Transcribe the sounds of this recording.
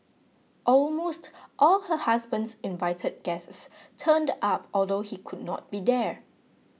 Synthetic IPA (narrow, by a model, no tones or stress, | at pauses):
ʔɔlmostʔɔlhəhasbə̃ndsɪ̃nvaɪtʰəd̚ɡ̥ɛststʰə̃ndapɔldohikʰud̚ⁿnɔ̰t̚b̥idɛ